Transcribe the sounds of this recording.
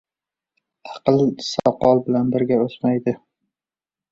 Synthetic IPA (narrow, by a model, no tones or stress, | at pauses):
ɑqlˠsɒ̰qɒlˠbɪlanbɪɾɡʲaosmajd̪ɪ